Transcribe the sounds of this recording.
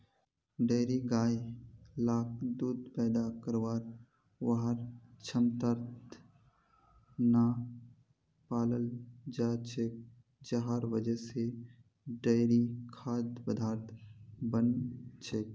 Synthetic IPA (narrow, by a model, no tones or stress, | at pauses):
ɖeːɾiɡaːjlaːk̚d̪uːd̪pɛːd̪akəɾʋaːɾ | ʋaɦaɾt͡ʃʰəmt̪aɾt̪ | naː | paːləld͡ʒaːt͡ʃʰek̚ | d͡ʒəɦaːɾʋəd͡ʒəse | ɖeːɾikʰaːd̪bəd̪ʱaːɾt̪bənt͡ʃʰek